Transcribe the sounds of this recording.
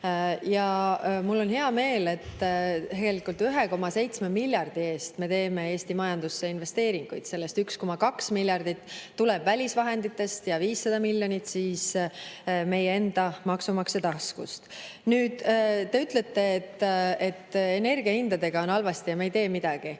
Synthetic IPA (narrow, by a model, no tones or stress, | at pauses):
jɑmulːo̞nɦe̞ɑme̞ːle̞t̪ːt̪eɡ̥e̞likːˑult̪yɦe̞ko̞mɑse̞jt̪smemilʲjɑrd̪̥ie̞ːst̪me̞t̪e̞ːme̞e̞ːst̪imɑjɑnd̪̥usːe̞inve̞st̪e̞ːɾiŋɡ̥ujd̪̥se̞lːe̞st̪yksko̞mɑkɑksmilʲjɑrd̪̥it̪ːuleb̥vælʲisvɑɦe̞nd̪it̪ːˑe̞st̪jɑviːsːɑd̪̥ɑmilʲjo̞nit̪siːs | me̞jee̞nd̪̥ɑmɑksumɑkset̪ɑskṵst̪nyːd̪̥t̪ːe̞yt̪ˑle̞t̪ːe̞ːt̪ːe̞t̪ːe̞ne̞rɡ̥iɑhind̪̥ɑd̪e̞ɡ̥ɑo̞nɑlvɑst̪ijɑmeejt̪e̞ːmid̪̥ɑɡ̥i